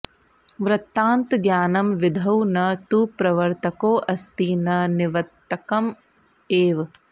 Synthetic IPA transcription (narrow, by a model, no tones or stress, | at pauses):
ʋɾɐt̪ːaːnt̪ɡjaːnɐmʋid̪ʱɐwnɐt̪upɾɐʋɐɾt̪ɐkoːʔɐst̪iːnɐniʋɐt̪ːɐkɐm | eːʋ